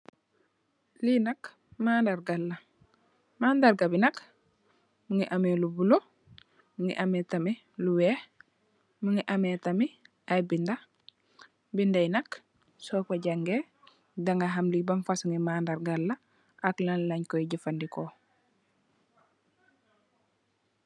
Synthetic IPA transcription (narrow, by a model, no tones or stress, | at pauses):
linɐk | maːndaɾɡalːɐ | maːndaɾɡabinɐk | muŋiʔamelubulo | muŋḭʔametami | luwɛː | muŋiʔametami | ajbinda | bindainɐk | soːpaɟaŋɡe | daŋaɦamlibamfasuŋimaːndaɾɡalːɐ | aklanlaɲkoiɟifandiko